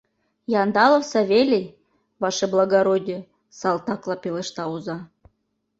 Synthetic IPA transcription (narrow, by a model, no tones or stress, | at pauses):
jɑnd̪ɑlˠŏfsɑvʲelʲej | vɑʃĕblˠɑɡɑɾod̪ʲi | sɑlˠt̪ɑklˠɑpʲelʲˠĕʃt̪ɑuzɑ